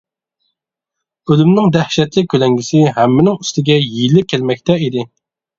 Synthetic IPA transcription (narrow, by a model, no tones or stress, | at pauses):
ølymnɪŋd̪æhʃɛt̪lɪkʲʰølɛŋɡʲisɪɦæmːɪnɪŋyst̪ɪɡʲɛjilːɪkʲʰːælmɛk̚ʲt̪ɛid̪ɪ